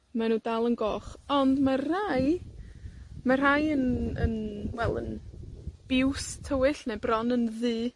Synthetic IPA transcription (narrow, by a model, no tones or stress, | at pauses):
manuːdalˠənɡɔχɔndmaraj | mar̥ajənə̰nwɛlˠə̰n | b̥ɪwstʰəwɪɬnebrɔnənðɨː